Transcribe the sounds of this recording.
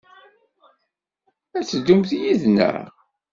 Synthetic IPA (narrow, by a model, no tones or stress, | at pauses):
æt͡sːəd̪ːumθjiðnə̰